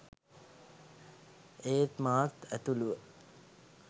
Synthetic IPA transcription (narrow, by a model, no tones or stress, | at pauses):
eːt̪maːt̪æt̪uluʋə